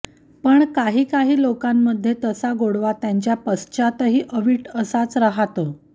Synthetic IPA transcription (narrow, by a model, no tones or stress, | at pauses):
pəɳkaɦiːkaɦiːlokamːəd̪ʱːjet̪əsaɡoɽʋat̪jaɲt͡ɕjapəst͡ɕat̪əɦiːʔəʋiːʈʰəsat͡sɾəɦat̪ə